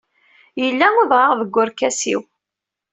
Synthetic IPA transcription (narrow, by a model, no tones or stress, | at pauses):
jəlːæʊðʁaʁðəɡʷːʊɾkːæsḭw